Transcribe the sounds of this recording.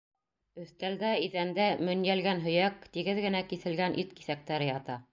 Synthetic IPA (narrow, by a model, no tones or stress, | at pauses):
ɵ̆θt̪æld̪æiðænd̪æmɵ̆njælɡænɦɵ̆jækt̪iɡɘðɡɘ̆nækiθɘ̆lɡænʔit̪ki̥θæk̚t̪æɾɘjɑt̪ɑ